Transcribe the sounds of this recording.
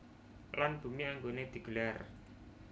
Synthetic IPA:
lanb̥ṳmiaŋɡoned̪̥i̤ɡ̥ə̤lar

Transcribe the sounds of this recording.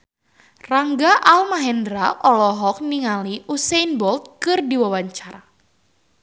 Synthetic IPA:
raŋɡaʔalmaɦɛndɾaʔɔlɔɦɔk̚niŋaliʔusɛnbɔlt̪̚kɨrdiwawaɲt͡ʃaɾa

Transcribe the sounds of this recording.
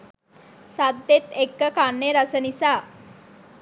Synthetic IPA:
sad̪et̪ekːəkaɳːeɾasənisa

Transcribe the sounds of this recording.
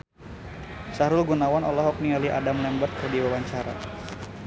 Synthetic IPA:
saɾʊlɡunawanɔlɔɦɔk̚nialiʔa̰damlɛmbət̪̚kərdiwawaɲt͡ʃaɾa̰

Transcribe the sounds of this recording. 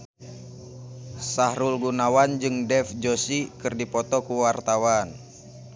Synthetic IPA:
sahɾulɡunawand͡ʒɨŋdɛfd͡ʒosikɨrdipɔt̪ɔkuwart̪awan

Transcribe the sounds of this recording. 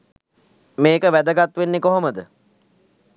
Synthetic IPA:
meːkəʋæd̪əɡat̪ʋenːekoɦoməd̪ə

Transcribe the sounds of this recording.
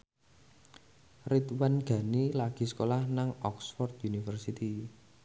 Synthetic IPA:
rit̪wanɡ̥ä̤nilaɡ̥i̤sə̥kolahnaŋɔksfɔrt̪junifərsit̪i

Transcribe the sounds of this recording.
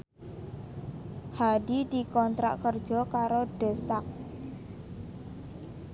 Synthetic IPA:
hadid̪̥i̤kɔnt̪ɾa̰ʔkərd̥ʒ̥ɔ̤kaɾoɖ̥ə̤sak̚

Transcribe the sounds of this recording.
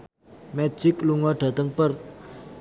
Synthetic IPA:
mɛ̥d͡ʒ̥ɪkluŋɔɖ̥ä̤t̪əŋpərt̪̚

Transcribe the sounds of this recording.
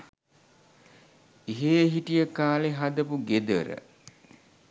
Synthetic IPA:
iɦeɦiʈijəkaːleɦad̪əpuɡed̪əɾə̰

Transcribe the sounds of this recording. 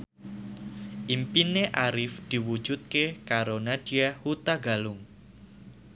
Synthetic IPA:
ʔimpineʔaɾɪfd̪̥iwu̥d͡ʒ̥ut̪̚kekaɾonad̥iahut̪aɡa̤lʊŋ

